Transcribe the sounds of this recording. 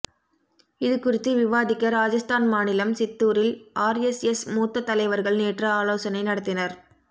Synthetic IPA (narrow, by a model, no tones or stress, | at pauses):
ɪðɯkʊrɪt̪ːɯʋɪʋaːðɪkːɐɾaːd͡ʒɐst̪aːnmaːnɪlɐmsɪt̪ːuːɾɪlʔaːɾɛsɛsmuːt̪ːɐt̪ːɐlɐɪʋɐɾɣɐɭneːʈrɐaːloːsɐnɐɪnɐɽɐt̪ːɪnɐɾ